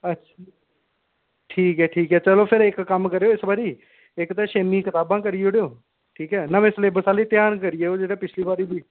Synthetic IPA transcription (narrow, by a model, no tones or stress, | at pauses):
ətːʃʰ | ʈʰiːkɦɛːʈʰiːkɦɛːt͡ʃəloːpʰɪɾɪkːəmkəɾeːoːɪsbaːɾiː | ɪkt̪ɛ̃ːʃeːmiːkɪt̪aːbãːkəɾijeʊɽejoː | ʈʰiːkɦɛːnamesleːbəsaːliːt̪jaːnkəɾɪjeːoːd͡ʒeːɽaːpɪt͡ʃʰliːbaːɾiːbiː